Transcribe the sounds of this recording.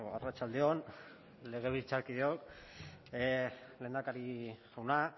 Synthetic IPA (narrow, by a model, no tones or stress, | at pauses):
arat͡ʃald̪eo̞n | le̞ɣ̞e̞βisit͡saɾkiðeok | leːnd̪akaɾiɣawna